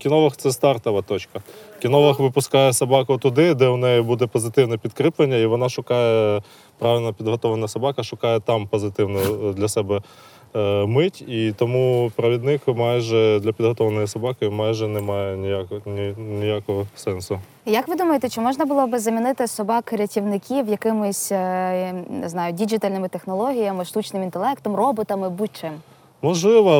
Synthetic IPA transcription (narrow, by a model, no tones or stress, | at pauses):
kʲinɔʋɐxt̪sɛst̪ɑrt̪ɔʋɐt̪ɔt͡ʃkɐkʲinɔʋɐxʋɪpʊskɑjɛsɐbɑkʊt̪ʊd̪ɪd̪ɛʊnɛjibud̪ɛpɔzɪt̪ɪwnɛpʲid̪kɾɪplˠenʲːɐiʋɔnɑʃʊkɑjɛ | pɾɑʋʲilʲnɐpʲid̪ɦɔt̪ɔʋɐnɐsɐbɑkɐʃʊkɑjɛt̪ɑmpɔzɪt̪ɪwnɔd̪lʲɐsɛbɛ | mɪtʲit̪ɔmupɾɐʋʲid̪nɪkmɑjʒɛd̪lʲɐpʲid̪ɦɔt̪ɔʋɐnɔjisɐbɑkɪmɑjʒɛnɛmɑjɛnʲijaknʲinʲijakɔɦɔsɛnsʊ | jɐkʋɪd̪umɐjet̪ɛt͡ʃɔmɔʒnɐbʊlˠɔbɪzɐmʲinɪt̪ɪsɔbɑkɾʲɐtʲiwnɪkʲiwjɐkɪmʊsʲ | nɪ̰znɑjʊdʲid͡ʒɪt̪alʲnɪmɪt̪exnɔlˠɔɦʲijɐmɪʃt̪ut͡ʃnɪmint̪elˠɛkt̪ɔmrɔbɔt̪ɐmɪbut͡ʃɪm | mɔʒlˠɪʋɐ